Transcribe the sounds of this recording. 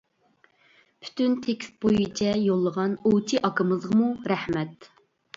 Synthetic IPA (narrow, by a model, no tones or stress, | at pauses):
pʰy̥t̪ynt̪ʰekʲst̪̚bojit͡ʃʰɛjolˠːəʁɑnot͡ʃʰiʔɑkəmɨzʁəmuɾɛhmɛt̪